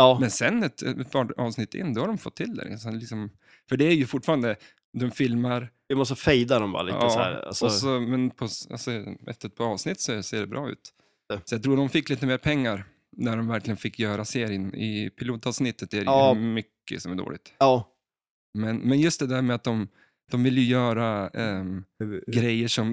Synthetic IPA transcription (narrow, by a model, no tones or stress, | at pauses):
ɑːmɛnsɛnːɛt̪pʰɑːɾɑ̰ːvsnɪt̪ːɪ̰nːd̪ɔhaɖɔmfɔ̰t̪ʰːɪld̪ɛ̰ɾsɛnlɪksɔm | fœɖɛæɾjɵfʊʈːfɑːɾand̪ə | d̪ɔmfɪlmaɾ | ɪmɔst̪əfɛjd̪aɖɔmbɑ̰ːɾal̰ːsæ̰a̰sɔsɔmɛnpʰɔa̰lsɔɛ̰ft̪əɾɛt̪̚pʰɑːɾɑːvsnɪt̪ːsɔseːɖɛbɾʔɑ̰ːʉ̟̰ːt̪ | sɔjat̪ʰɾuːɾd̪ɔmfɪkːliːt̪əmeːɾpʰɛŋːaɾ | næɖɔmvæɾklɪɡənfɪkːjœːɾaseːɾɪənɪ̰pʰɪluːt̪ɑːvsnɪt̪ːət̪d̪ɛæɾmʏkːə̰sɔmæɖo̰ːlɪɡt̪ɑː | mɛnmɛnjɵst̪̚d̪ɛd̪æɾmɛat̪̚d̪ɔm | d̪̥ɔmvɪljɵjœːɾa | ɡɾɛjːəʂɔm